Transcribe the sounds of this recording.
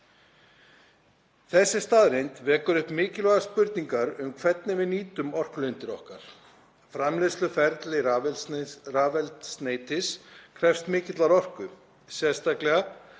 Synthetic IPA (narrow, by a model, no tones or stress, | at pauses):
θɛsːɪst̪aːðɾejnt̪vɛːkʏɾʏhpmɪːcɪlœɣaspʏɾt̪niŋkaɾʏmkʰvɛt̪̚nɪvɪðniːt̪ʏmɔr̥klʏjnt̪ɪɾɔ̰hkaɾ̥ | fɾamlɪslʏfɛɾt̪lɪvraːvɛlt̪st̪neːjt̪ɪskʰɾɛfst̪mɪːcɪt̪laɾɔr̥kʏ | sjɛst̪ahklɛɣa